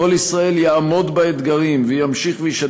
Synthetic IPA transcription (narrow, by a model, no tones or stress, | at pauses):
o̞lisʁae̞ljaːmo̞d̪baet̪ɡaʁimvejamʃiχvejiʃa